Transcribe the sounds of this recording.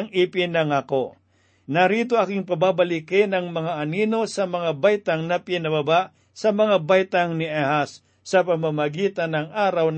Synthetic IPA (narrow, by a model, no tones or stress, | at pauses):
ŋipɪnɐŋako | nɐɾiːt̪oakɪŋpɐbabɐlikɪnɐŋmɐŋaʔːniːno̞sɐmɐŋabajt̪aŋnɐpjɛnɐbɐbaʔ | sɐmɐŋabajt̪aŋnɪʔɛhasː | ɐpɐmamɐɡiːt̪anɐŋʔaːɾawn